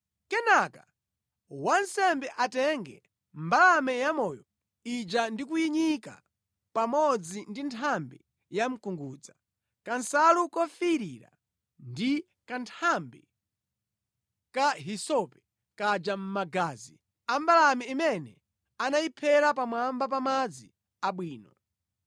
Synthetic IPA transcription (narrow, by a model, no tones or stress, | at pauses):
kɛnakḁ | wansɛmbɛʔatɛŋɡɛ | mbalamɛjamɔjɔ | id͡ʒandikujiɲika̰ | pamɔd͡zindintʰambḭ | jam̩kuŋɡuːd͡za | kansalukɔfiɾiɾa̰ | ndi | kantʰambi | kaɦisɔpɛ̥ | kad͡ʒam̩maɡaːzi | ambalamɛimɛnɛ | anajipʰɛɾap̬amwambap̬amad͡zḭ | aɓwiːnɔ